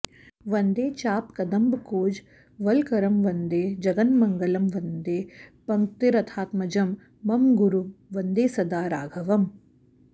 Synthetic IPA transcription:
ʋɐnd̪eːt͡ʃaːp̚kɐd̪ɐmbkoːd͡ʒ | ʋɐlkɐɾɐmʋɐnd̪eːd͡ʒɐɡɐnmɐŋɡɐlɐmʋɐnd̪eːpɐŋkt̪iɾɐt̪ʰaːt̪mɐd͡ʒɐmː | ɐmɡuɾuʋɐnd̪eːsɐd̪aːɾaːɡʱɐʋɐm

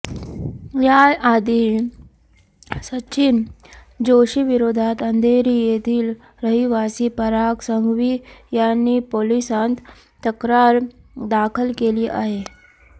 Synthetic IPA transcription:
jaad̪i | səɕin | d͡ʑoɕiʋiɾod̪ʱat̪ənd̪ʱeɾijet̪ʰiːl | ɾəɦiʋasipəɾaksəŋɡʋiːjanːipolisãnt̪ | t̪əkɾaɾ | d̪akʰəlkeliːʔa̰ɦe

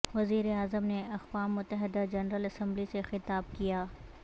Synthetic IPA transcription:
ʋɐziːɾeaːzəmneɐxwaːmːʊt̪ːəɦɪd̪ad͡ʒɐnɾəlɐsɐ̃mblisexɪt̪aːb̚kijaː

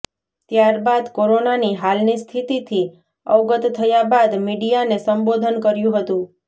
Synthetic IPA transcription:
t̪jaɾbad̪koɾonaniɦalnist̪ʰit̪it̪ʰi | əwɡət̪t̪ʰːəjabad̪miɖijanesəmbod̪ʱənkəɾjũɦət̪ũ

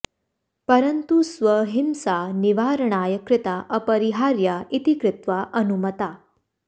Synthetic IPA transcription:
pəɾənt̪usʋəɦimsaniʋaɾɳ̃aːjəkɾɪt̪aʔəpəɾiɦaɾjaʔit̪ikɾɪt̪ʋaʔənumət̪a

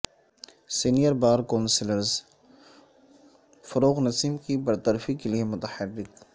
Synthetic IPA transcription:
sinijəɾbaːɾkɔːnsɪləɾz | fɐɾoːɣnɐsiːmkibɐɾt̪əɾfikeliemʊt̪əħəɾːɪk

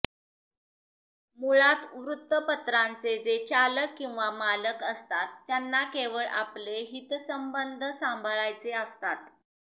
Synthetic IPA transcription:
muɭat̪ʋɾut̪ːəpət̪ɾant͡sed͡zet͡ɕaləkːĩw̃ʋamaləkəst̪at̪ːjanːakeʋəɭʔa̰pleɦit̪səmbənd̪ʱsãmbʱəɭajt͡seast̪at̪

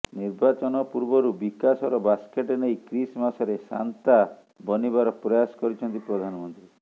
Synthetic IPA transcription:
niɾbat͡ʃɔnɔpuɾbɔɾubikasɔɾɔbaskeʈeneijkɾismasɔɾesa̰nt̪a | bɔnibaɾɔpɾɔjasɔ̥kɔɾit͡ʃʰɔnt̪ipɾɔd̪ʱanɔmɔnt̪ɾi

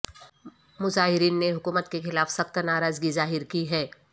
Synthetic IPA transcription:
mʊzaːɦɪɾiːnːeɦʊkuːmət̪kexɪlaːfsɐxt̪naːɾaːzɡizaːɦɪɾkiɦɛː

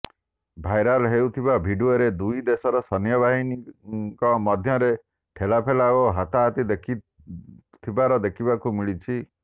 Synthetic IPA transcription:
bʱajɾalɦewt̪ʰibabʱiɖuoɾed̪ujd̪esɔɾɔsɔnjɔbaɦinikɔmɔd̪ʱjɔɾe | ʈʰelapʰelaoɦat̪aɦat̪id̪ekʰi | t̪ʰibaɾɔd̪ekʰibakumiɭit͡ʃʰi

